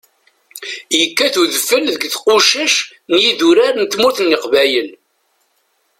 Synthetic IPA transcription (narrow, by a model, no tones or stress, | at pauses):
jəkːæθuðəfːəlðəɡθqʊʃæʃ | njiðuɾaɾnt̪mʊθnːəqvæjəl